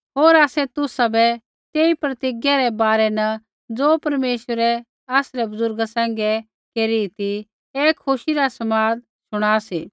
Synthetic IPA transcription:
ɦoːɾaːsɛt̪ʊsabɛ | t̪eːipɾɐt̪ɪɡjaɾɛbaːɾɛnɐ | d͡zoːpɐɾmeːʃʋəɾɛ | aːsɾɛbɐzʊɾɡasɛ̃ːŋ̆ɡɛ | keːɾit̪i | eːkʰːʊʃiɾasɐmaːd̪ | ʃʊɽ̃aːsiː

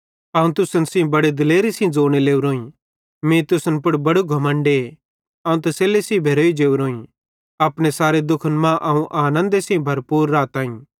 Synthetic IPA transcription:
ɐ̃ːũt̪ʊsənsĩbɐɽed̪ɪleːɾisĩd͡zoːɽ̃eleːuɾoːĩ | mẽːt̪ʊsənpʊɽbɐɽuɡʱɐmə̃ɳɖe | ɐːũt̪ɐseːlesĩbʱeːɾoːid͡ʒeːuɾoːĩ | aːpɽ̃esaːɾed̪ʊkʰənmãːʔɐũʔaːnə̃nd̪esĩbʱɐɾpuːɾːaːt̪aːĩː

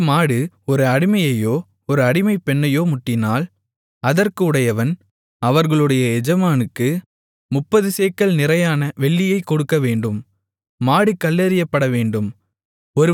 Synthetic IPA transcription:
maːɽɯ | ɔɾɯɐɽɪmɐjɐjoː | ɔɾɯɐɽɪmɐɪpːɛɳːɐjoːmʊʈːɪnaːl | ɐðɐrkɯːɽɐjɐʋɐn | ɐʋɐɾɣɐɭɯɽɐjɐɛd͡ʒɐmaːnɯkːɯ | mʊpːɐðɯseːkːɐɭnɪɾɐjaːnɐʋɛɭːɪjɐɪkːɔɽɯkːɐʋeːɳɖɯmː | aːɽɯkːɐlːɐɾɪjɐpːɐɽɐʋeːɳɖɯm | ɔɾɯ

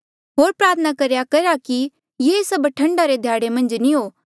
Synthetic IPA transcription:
ɦoːɾpɾaːt̪ʰənakɐɾjakɐɾaki | jesɐbʈʰɐ̃ɳɖaɾed̪ʱjaːɽemɐ̃nd͡ʒniɦoː

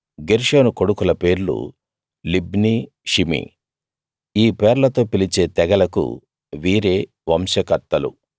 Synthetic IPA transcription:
ɡeɾʂoːnuko̞ɽukulɐpe̞ːɾlṵ | libniː | ʃimḭ | iːpeːɾlɐt̪o̞ːpilit͡ʃe̞ːt̪ɛɡɐlɐkṵ | ʋiːɾe̞ː | ʋɐmʃɐkɐɾt̪ːɐlṵ

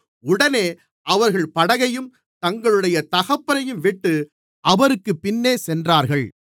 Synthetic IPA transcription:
ʊɽɐneː | ʔɐʋɐɾɣɐɭpɐɽɐɣɐjɯm | t̪ɐŋɡɐɭɯɽɐjɐt̪ɐɣɐpːɐɾɐjɯmʋɪʈːɯ | ʔɐʋɐɾɯkːɯpːɪnːeːsɛndraːɾɣɐɭ

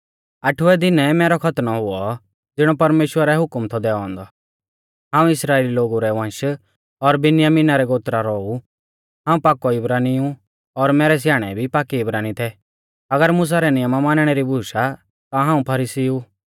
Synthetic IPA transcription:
ɐʈʰʊʋɛd̪ɪnɛmɛːɾɔkʰɐt̪nɔɦʊɔ | d͡zɪɽ̃ɔpɐɾmeːʃwəɾɛɦʊkmt̪ʰɔd̪ɛːɔɔ̃ːn̆d̪ɔ | ɦãːũɪsɾaːeːliloːɡuɾɛʋãːnʃ | ɔɾbɪnɪjaminaɾɛɡoːt̪ɾaɾɔu | ɦãːũpaːkːɔɪbɾaːniũ | ɔɾmɛːɾɛs̬jaːɽ̃ɛ̰bʱipaːkiɪbɾaːnit̪ʰɛ | ɐɡəɾmʊs̬aɾɛnɪjəmamaːnɽ̃ɛɾibuːʃa | t̪ãɦãːũpʰɐɾiːsiu

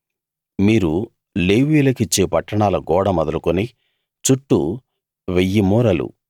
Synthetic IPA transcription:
miːɾu | leːʋiːlɐkit͡ʃːeːpɐʈːɐɳaːlɐɡɔːɽɐmɐd̪ɐlukuni | t͡ʃuʈːu | ʋejːimuːɾɐlṵ

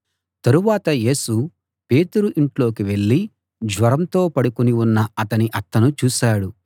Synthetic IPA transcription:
t̪ɐɾuʋaːt̪ɐje̞ːsu | pe̞ːt̪uɾuʔiɳʈlo̞ːkiʋe̞ɭːi | d͡ʒʋɐɾɐmt̪o̞ːpɐɽukuniunːɐɐt̪ɐniʔɐt̪ːɐnut͡ʃuːsaːɽu

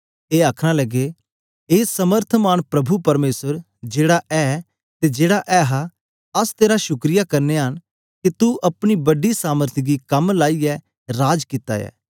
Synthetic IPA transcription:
eːaːkʰɽ̃alɐɡe | eːsɐməɾt̪ʰmaːnpɾɐbʱupɐɾmeːsəɾ | d͡ʒeːɽaʔɛː | t̪ed͡ʒeːɽaʔɛːɦa | ɐst̪eːɾaʃʊkɾijakɐɾneɦən | kit̪uʔɐpɽ̃ibɐɖisaːməɾt̪ʰiɡikɐmlaːiɛ | ɾaːd͡ʒkit̪a̰jɛ̰ː

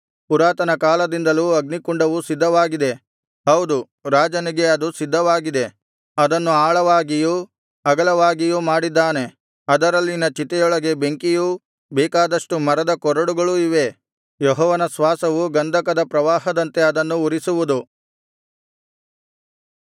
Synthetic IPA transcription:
puɾaːt̪ɐnɐkaːlɐd̪ind̪ɐluɐɡnikuɳɖɐʋusid̪ʱːɐʋaːɡid̪e̞ | ɦɐwd̪u | ɾaːd͡ʒɐniɡe̞ɐd̪usid̪ʱːɐʋaːɡid̪e̞ | ɐd̪ɐnːuaːɭɐʋaːɡiju | ɐɡɐlɐʋaːɡijumaːɽid̪ːaːne̞ | ɐd̪ɐɾɐlːinɐt͡ʃit̪ɛjɔɭɐɡe̞be̞ŋkiju | bɛːkaːd̪ɐʂʈumɐɾɐd̪ɐkɔɾɐɽuɡɐɭuiʋe̞ | jɔɦɔːʋɐnɐsʋaːsɐʋuɡɐnd̪ʱɐkɐd̪ɐpɾɐʋaːɦɐd̪ɐnt̪e̞ɐd̪ɐnːuuɾisuʋud̪u

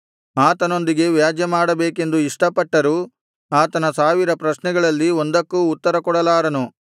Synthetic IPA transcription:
aːt̪ɐno̞nd̪iɡe̞ʋjaːd͡ʒjɐmaːɽɐbeːke̞nd̪uiʂʈɐpɐʈːɐɾuː | aːt̪ɐnɐsaːʋiɾɐpɾɐʃnɛɡɐɭɐlːio̞nd̪ɐkːuːt̪ːɐɾɐkɔɽɐlaːɾɐnu

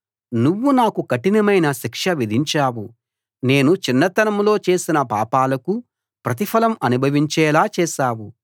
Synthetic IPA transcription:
nuʋːunaːkukɐʈinɐmɐjnɐʃikʂɐʋid̪ʱiɲt͡ʃaːwu | ne̞ːnut͡ʃinːɐt̪ɐnɐmlo̞ːt͡ʃe̞ːsinɐpaːpaːlɐku | pɾɐt̪̬ipʰɐlɐmɐnubʱɐʋiɲt͡ʃɛːlaːt͡ʃɛːʃaːwu

